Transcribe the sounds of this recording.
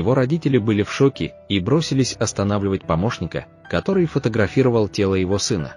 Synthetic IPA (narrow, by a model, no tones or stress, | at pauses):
jɪvo̞ɾɐdʲitʲɪlʲɪbɨlʲɪfʂo̞kʲɪ̰ | ibɾo̞sʲɪlʲɪsʲɐst̪ɐnavlʲɪvətʲpɐmo̞ʂnʲɪkə̰ | kɐt̪o̞ɾɨjfət̪əɡɾɐfʲiɾəvəlˠtʲe̞lˠəjɪvo̞sɨnə̰